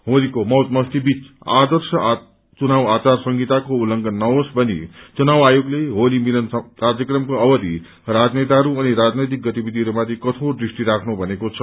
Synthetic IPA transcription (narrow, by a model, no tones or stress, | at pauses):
ɦolikomʌwt̪mʌst̪ibit͡sad̪ʌrsʌ | t͡sunawat͡sarsʌŋɡit̪akoulːʌŋɡʌnːʌwosbʌnḭt͡sunawajoɡleɦolimilʌnkard͡zjʌkrʌmkoʌbʌd̪i | rad͡znejt̪aɦʌɾuʌniɾad͡znʌjt̪ik̚ɡʌt̪ibid̪ʱiɦʌɾumat̪ʰikʌt̪ʰõd̪risʈiɾakʰnubʱʌnekot͡sʰʌ